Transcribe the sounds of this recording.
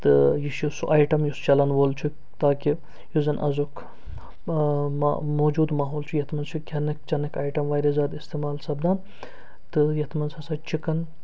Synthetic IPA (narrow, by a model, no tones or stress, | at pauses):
t̪ɨjiʃusuʔaːjʈɐmjust͡ʃɐlɐnʋoːlt͡ʃʰu | t̪aːki | juzɐnʔɐ̰zukʰ | a̰moːd͡ʒuːd̪maːɦoːlt͡ʃʰujɐt̪ʰmɐnt͡ʃʰukʰʲɐnɐk̚t͡ʃɐnɐkʰaːjʈɐmʋaːɾezaːd̪ist̪eːmaːlsɐbd̪aː | t̪ɨjɐt̪ʰmɐnsʰɐsat͡ʃikɐn